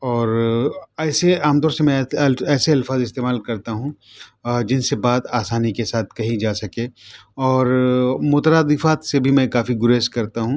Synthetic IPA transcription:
ɔːɾɛːseaːmt̪ɔːɾsemɛ̃ɐlɛːseɐlfaːzɪst̪eːmaːlkɐɾt̪aɦũ | d͡ʒɪnsebaːd̪aːsaːnikesaːt̪̚ʰkɐɦĩd͡ʒaːsɐkeːɔːɾmoːt̪ɾaːd̪ɪfaːt̪sebʱimɛ̃kaːfiɡʊɾeːskɐɾt̪aɦũ

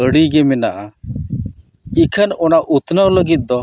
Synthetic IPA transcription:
əɽiɡɛmɛnaʔa | ikʰənɔnaʔut̪nəwləɡit̪̚d̪ɔ

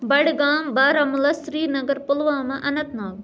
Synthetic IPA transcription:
bɐɽɡaːmbaːɾɐmʊlɐsɾiːnɐɡɐɾpʊlʋãːmɐ̃ʔɐnɐt̪naːʋ

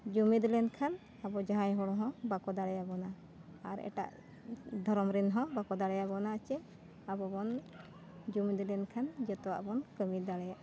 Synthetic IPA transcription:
d͡ʒumid̪ɛlɛnkʰan | abɔd͡ʒaɦãjɦɔɽ̃ɔ̃ɦɔ̃bakɔd̪aɽɛjabɔna | aɾɛ̰ʈa̰ʔ | d̪ʱɔɾɔmɾinɦɔ̃bakɔd̪aɽɛjaβɔnat͡ʃɛ | abɔbɔn | d͡ʒumid̪ɛlɛnkʰand͡ʒɛt̪ɔwa̰ʔbɔnkəmid̪aɽɛjaʔ

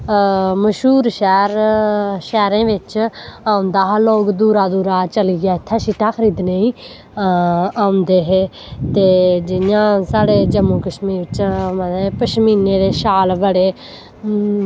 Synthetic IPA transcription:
məʃuːɾʃɛːɾʃɛːɾẽːʋɪt͡ʃaːʊ̃nd̪aːɦloːkd̪uːɾaːd̪uːɾaːt͡ʃəliːɡaːɪt̪ʰːãːʃiːʈaːxʰəɾiːd̪neːiː | aːʊ̃nd̪eːɦeː | t̪eːd͡ʒɪjãːsaːɽeːd͡ʒəmũːkəʃmiːɾɪt͡ʃməpəʃmiːneːɾeːʃaːlbəɽeː

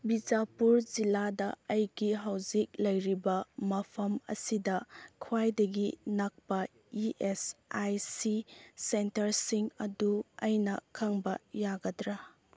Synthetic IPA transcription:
bid͡ʒapuɾd͡ʒiladɐɐjɡiɦawzik̚lɐjɾibɐmɐpʰɐmɐ̰sidɐkʰwajdɐɡinɐk̚pɐ | iʔesajsisentɐɾsiŋɐduɐjnɐkʰɐŋbɐjaɡɐdɾa

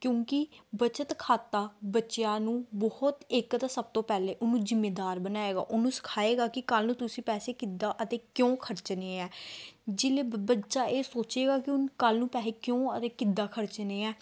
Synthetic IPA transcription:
kjõːkɪbət͡ʃət̪kʰaːt̪aːbətːʃjaːnũːbɔhʊt̪ɪkt̪aːsəb̚t̪õːpɛːleːʔʊnːũːzɪmːeːd̪aːɾbənaːeːɡa̰ːʔʊnːũːsə̥kʰaːeːɡaːkɪkəlnũːt̪ʊsĩːpɛːseːkɪd̪aːʔət̪ẽːkjõːkʰəɾt͡ʃneːɛːd͡ʒɪleːbətːʃaːʔeːsoːt͡ʃeːɡaːkɪʊnkəlnũːpɛːleːkjõːət̪eːkɪd̪aːkʰəɾt͡ʃneːɛː

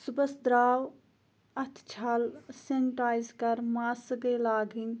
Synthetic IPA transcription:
subəsd̪ɾaːw | ɐt̪ʰt͡ʃʰalsenʈaːjzkɐɾmaːsɡelaːɡin

